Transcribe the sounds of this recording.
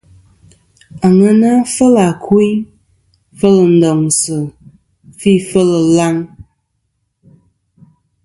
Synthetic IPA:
a˨ŋə˦na˦fə˦la˨kʰu˦i˦ | fə˦lə˨n̩˨dɔ˨ŋsɨ˨ | fi˦˨fə˦lə˨la˦ŋ

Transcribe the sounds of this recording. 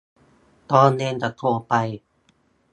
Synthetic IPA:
t̪ɔː˧nːeː˧ŋt͡ɕa˧˩t̪ʰo˧˩pa˧j

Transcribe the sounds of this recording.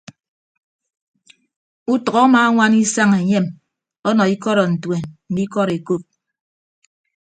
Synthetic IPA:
u˦tʌ˨ɣɔ˦a˦maː˨˦ŋʷa˦ni˦sa˦ŋe˨ɲe˦˨m | ɔ˦nɔ˨i˦kɔ˦ɾɔ˨n̩˨twe˨nn̩˨˦di˦kɔ˦ɾe˨ko˦˨p̚

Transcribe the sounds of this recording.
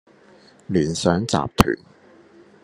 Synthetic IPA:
liː˨˩nsœː˨˥ŋt͡sa̰ː˨p̚t̪ʰy̰ː˨˩n

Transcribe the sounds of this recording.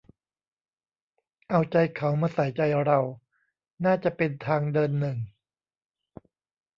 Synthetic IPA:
ʔa˧wt͡ɕa˧jkʰa˩˦wmaː˧sa˨˩˦jt͡ɕa˧jɾa˧w | naː˥˩t͡ɕa˨˩pe˧nt̪ʰaː˧ŋdɤː˧nːɯ˨˩ŋ

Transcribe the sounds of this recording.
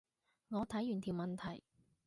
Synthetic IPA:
ŋɔː˨˧t̪ʰɐ˨˥jyː˨˩nt̪ʰiː˨˩wmɐ˨nt̪ʰɐ˨˩j

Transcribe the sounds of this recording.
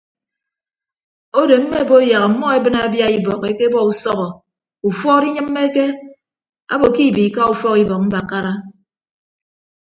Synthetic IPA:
o˦de˨m̩˦me˦˨bo˦ja˨ɣa˨m̩˨˦mːɔ˦e˦bɨ˦na˨˦bja˦i˦bɔ˨ke˦ke˦bɔ˦u˨sɔ˦ɣɔ˨ | u˨fɔ˦ɾi˦ɲɨ˦m̩ː˦e˦ke˦ | a̰˦bo˨ki˦˨bi˨ka˦u˨fɔ˦ki˦bɔ˨k̚m̩˦ba˨ka˦ɾa˦

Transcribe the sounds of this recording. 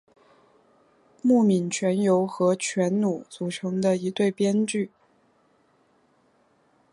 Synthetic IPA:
mu˥˩mi˨˩nt͡ɕʰɥɛ˧˥njo˧˥ʊxɤ˧˥t͡ɕʰɥɛ˧˥nnu˨˩˦t͡su˨˩ʈ͡ʂʰɤ˧˥ŋd̪ə˧i˧˥t̪we˥˩ɪpjɛ˥nt͡ɕy˥˩

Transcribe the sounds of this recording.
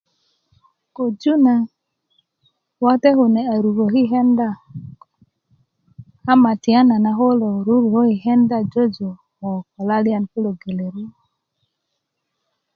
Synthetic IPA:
ko˨d͡ʒu˦na˨ | wa˦te˦ho˨ne˨a˨ɾu˨ɡo˨ɦi˦ɦe˦nda˦ | ha˦ma˨ti˨a˦na˨na˨ɦo˦lo˨ɾu˦ɾho˦hi˨ɦe˦nda˦d͡ʒo˦d͡ʒo˨ | ho˨ko˨la˦li˦a˦˨nku˦lo˨ɡe˨le˨ɾu˦o˨

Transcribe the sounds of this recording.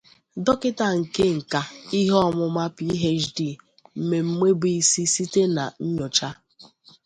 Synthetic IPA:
dɔ˦kɪ˦ta˨ŋ̩˨ke˦ŋ̩˨ka˨i˦ɦɔ˦mʊ˨ma˦pi˦ɦe˦d͡ʒdi˦˨ | m̩˨me˨m̩˦me˦bi˦˨i˦si˦si˦te˦na̰˨ɲ̩˦ɲɔ˨t͡ʃa˦

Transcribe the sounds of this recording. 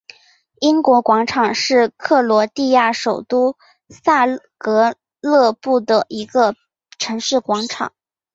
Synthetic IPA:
i˥nkwɔ˧˥kwɑ˧˥ŋʈ͡ʂʰɑ˨˩ŋʂɻ̩˥˧kʰɤ˥˩lwɔ˧˥t̪i˥˧ja˥˩ʂo˨˩ʊt̪u˥ | sa˥˧kɤ˧˥ | lɤ˥˧pu˥˩d̪ə˩ʔi˧˥ɡə˧ | ʈ͡ʂʰɤ˧˥ŋʂɻ̩˥˩kwɑ˧˥ŋʈ͡ʂʰɑ̰˨˩˦ŋ

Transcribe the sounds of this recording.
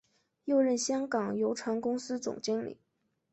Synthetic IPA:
jo˥˧ʊɻə˥˩nɕjɑ˥ŋkɑ˨˩ŋjo˧˥ʊʈ͡ʂʰwa˧˥nkʊ˥ŋsɹ̩˥t͡sʊ̰˨˩ŋt͡ɕi˥ŋlḭ˨˩˦

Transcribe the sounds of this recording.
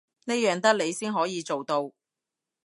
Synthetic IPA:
ne˥jœː˨˧ŋt̪ɐ˥k̚le˨˧jsiː˥nɦɔː˨˥jiː˨˧t͡so˨wt̪o˧w

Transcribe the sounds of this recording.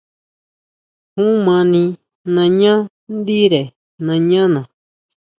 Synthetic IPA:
hũ˦mã˧nĩ˧ | nã˧ɲã˦ | nd̪i˦ɾe˨ | nã˧ɲã˦nã˨

